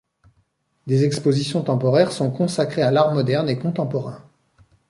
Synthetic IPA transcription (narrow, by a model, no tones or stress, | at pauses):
d̪ezɛkspozisjɔ̃t̪ɑ̃pɔʁɛʁsɔ̃kɔ̃sakχealaʁmɔd̪ɛʁnekɔ̃t̪ɑ̃pɔʁɛ̃